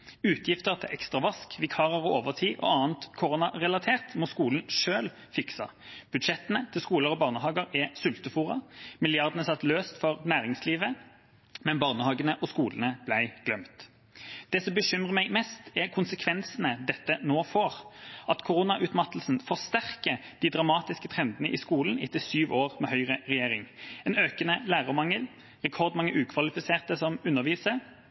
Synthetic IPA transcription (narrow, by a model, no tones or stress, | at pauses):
ʉːt̪ʰjɪft̪əʁt̪ʰɪʔɛkst̪ʁɑʋɑskʋɪkʰɑːʁəʁɔoːʋəʁt̪ʰiːʔɔ̰ɑːnt̪kʰʊʁuːnɑʁɛlɑt̪ʰeːʁt̪mɔskuːln̩ʂøːl | fɪksɑ̰b̥ʉd̪ʂɛt̪ənət̪ʰɪlskuːləʁɔbɑːʁnəɦɑːɡəʁɛsʉlt̪əfuːʁɑmɪlɪɑʁd̪ənəsɑt̪ːløːst̪fɔʁnæːʁɪŋsliːʋə | mɛnbɑːʁnəhɑːɡənəʔɔskuːlənəb̥læɪɡ̥lœmt̪ | d̪̥ɛːsɔmbəʃʏmʁəmæɡmɛst̪æʁkʰʊnsəkʰʋɛnsn̩əd̪ɛt̪ːənoːfoːʁɑt̪kʰʊʁuːnɑʔʉt̪mɑt̪əl̩sn̩fɔʁst̪æʁkəd̪̥iːd̪ʁɑmɑːt̪ɪskət̪ʰʁɛnd̪ənəʔḭːskuːln̩ɪt̪ɪsyːʋoːʁmɛːhœʏʁəʁɛjeːʁɪŋɛːnøːkənəlæːʁəmɑŋːəl | ʁɛkʰɔʁd̪mɑŋːəʔʉːkʰʋɑlɪfɪseːʁt̪əsɔmʉnːəʁʋiːsə